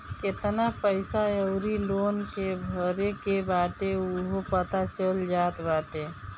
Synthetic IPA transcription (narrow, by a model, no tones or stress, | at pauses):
kɪt̪napəɪsaəʊɾiloːnkebʱəɾekebaːʈeuɦopət̪at͡ʃəld͡ʒaːt̪baːʈe